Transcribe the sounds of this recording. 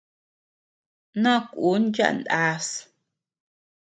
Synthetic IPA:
nã˦kʷu˨˦nd͡ʒa̰˦ʔnd̪a˧˦s

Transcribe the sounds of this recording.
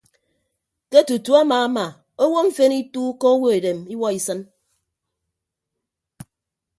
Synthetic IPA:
ke˦tu˨tu˦a˦maː˨a˦ma˨ | o˦wo˦ɱ̩˦fe˦ni˦tu˦ko˦o˦wo˦e˨de˨mi˦wɔ˦i˨sɨ˦n

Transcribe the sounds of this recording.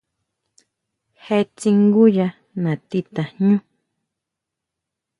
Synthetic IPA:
he˦t͡si˧ŋɡu˦ja˧ | nã˨t̪i˦t̪ã˨ɲũ˦

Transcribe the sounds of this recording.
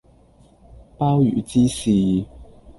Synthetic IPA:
paː˥wjy̰ː˨˩t͡siː˥siː˨˩

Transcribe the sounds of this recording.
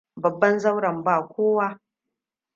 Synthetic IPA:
bɐ˨bːɐ˦nzɐ˦wɾɐ˨mbaː˨kʷoː˦waː˦

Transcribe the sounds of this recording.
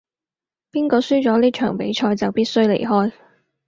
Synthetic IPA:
piː˥nkɔː˧syː˥t͡sɔː˨˥liː˥t͡ʃʰœː˨˩ŋpe˨˥jt͡ʃʰɔː˧jt͡sɐ˨˩wpiː˥t̚sɵ˥ɥlḛ˨˩jɦɔː˥j

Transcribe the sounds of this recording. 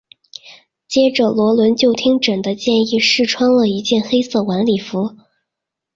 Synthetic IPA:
t͡ɕjɛ˥ʈ͡ʂə˧lwɔ˧˥lwə˧˥nt͡ɕjo˥˩ʊt̪ʰi˥ŋʈ͡ʂə˨˩d̪ə˦t͡ɕjɛ˥˧ni˥˧ʂɻ̩˥˩ʈ͡ʂʰwɑ˥ŋlə˨i˧˥t͡ɕjɛ˥˩nxe˥ɪsɤ˥˩wa˧˥nli˨˩fu˧˥

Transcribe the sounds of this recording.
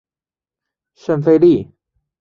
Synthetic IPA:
ʃə˥˧˩nfe˥˧li˥˩

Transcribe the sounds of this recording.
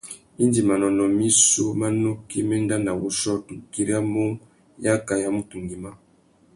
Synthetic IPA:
i˦ndi˨ma˨nɔ˨nɔ˨mi˦so˦ma˦no˦ki˦mɛ˦n˦da˦na˨wu˦ʃɔ˦tu˨ki˦ɾi˦a˦mo˦ŋ | ja˦ka˨ja˦mu˦tu˨ŋɡi˨ma˦

